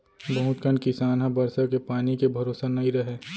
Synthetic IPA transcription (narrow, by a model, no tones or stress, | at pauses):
bɐɦʊt̪kənkɪsaːnɦabɐɾsakepaːnikebʱɐɾoːsanɐɦĩɾɐɦeː